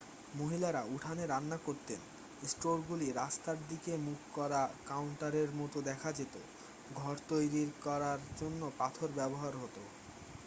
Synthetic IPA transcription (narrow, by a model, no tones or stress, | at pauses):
moɦilaɾauʈʰaneɾanːakoɾt̪en | sʈoɾɡuliɾast̪aɾd̪ikemukʰkɔɾakawɳʈaɾeɾmɔt̪od̪ɛkʰad͡ʑet̪o̰ | ɡʱɔɾt̪ojɾiɾkɔɾaɾd͡ʑonːopat̪ʰoɾbɛboɦaɾɦot̪o